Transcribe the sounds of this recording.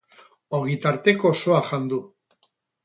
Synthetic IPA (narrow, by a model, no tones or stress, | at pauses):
oɣit̪aɾt̪e̞koso̞aʝand̪u